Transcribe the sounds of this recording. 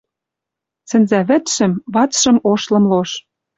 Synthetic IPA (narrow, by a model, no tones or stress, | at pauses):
sɘ̆nzæβɘ̆t̪ʃɘ̆mβɑt͡sʃɤ̆moʃlɤ̆mloʃ